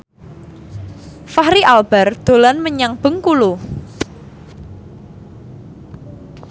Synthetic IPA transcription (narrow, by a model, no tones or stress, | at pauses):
fahɾiʔalb̥ard̪̥o̤lanməɲaŋb̥ə̤ŋkulu